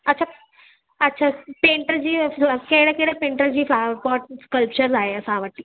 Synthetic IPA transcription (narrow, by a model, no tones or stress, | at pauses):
ətːɕʰa | ətːɕʰapeɳʈəɾd͡ʑiːkeɽɛkeɽapẽɳʈəɾd͡ʑiːflaʋəɾpɔʈ̚skəlp̚t͡ɕəɾd͡zaeəsãʋəʈːiː